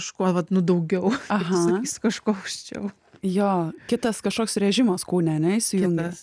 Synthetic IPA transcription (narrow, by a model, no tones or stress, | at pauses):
ɐʃkuɔʋɐt̪nʊd̪ɐʊɡʲɛʊɐɦɐiskɐʃkoːʊʃʲt͡ʃʲɛ̰ʊ | joːkʲɪt̪ɐskɐʃkoːkʲsɾʲɛʒʲɪmɐskuːnʲɛɐnʲɛɪsʲɪjʊŋɡɐ